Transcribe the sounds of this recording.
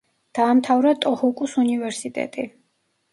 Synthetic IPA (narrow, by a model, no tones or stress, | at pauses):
d̪̥aːmt̪ʰavɾat̪ʼɔhukʼusunivɛɾsit̪ʼɛ̰t̪ʼi